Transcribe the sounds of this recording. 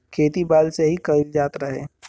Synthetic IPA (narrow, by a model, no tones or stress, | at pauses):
kʰeːt̪ibaːlseɦikɐild͡ʒaːt̪ɾəɦeː